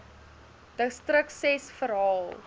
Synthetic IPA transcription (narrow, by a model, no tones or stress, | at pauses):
d̥əstrəksɛsfəɾɦɑːlˠ